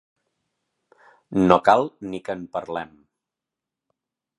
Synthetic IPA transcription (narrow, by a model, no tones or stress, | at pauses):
nokalˠnikəmpəɾlɛm